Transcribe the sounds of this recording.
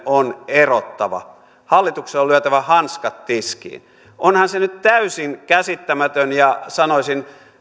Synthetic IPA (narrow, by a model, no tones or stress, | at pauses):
ʔonerot̪ːɑʋɑ̰ | hɑlːit̪ukseolyæt̪æʋæhɑnskɑt̪tiskḭːn | ʔonhɑnsenyt̪t̪æysiŋkæsit̪ːæmæt̪ønjɑsɑnosʲin